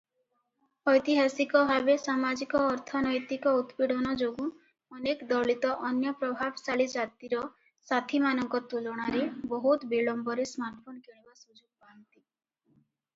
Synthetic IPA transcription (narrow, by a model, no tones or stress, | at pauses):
ɔjt̪iɦasikɔbʱabesamad͡ʒikɔːɾt̪ʰɔnɔjt̪ikɔut̪piɽɔnɔd͡ʒoɡũ | ɔnekd̪ɔɭit̪ɔʔɔnjɔpɾɔbʱabsaɭid͡ʒat̪iɾɔ | sat̪ʰimanɔŋkɔt̪ulɔɽ̃aɾebɔɦut̪biɭɔmbɔɾesmaɾʈpʰonkeɽ̃ibasud͡ʒoɡ̚pant̪i